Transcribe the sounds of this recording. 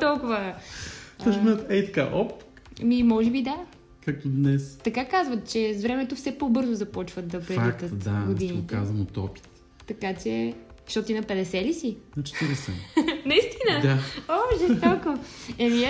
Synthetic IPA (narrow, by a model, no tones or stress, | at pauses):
t̪ɔlˠkʊvə | ɔʃmɛət̪ɛit̪ɐ̥ka̰ʔɔp | mimɔʒɛbid̪a | kak̚t̪ʊd̪nɛst̪ɐkakazvət̪̚t͡ʃɛzvɾɛmɛt̪ofsɛpobɤɾzʊzɐpɔt͡ʃvət̪d̪ɐpɾɛaik̪ət̪d̪aɡod̪init̪ɛa̰zvɐmot̪ɔ̰pi̥t̪ | t̪ɐkat͡ʃɛ | ʃt̪ɔt̪inɐpɛd̪ɛsɛlisinɐt͡ʃɛ̥t̪iɾɛsɛ̰nɐist̪inəd̪aoʒɛt̪ɔkoɛni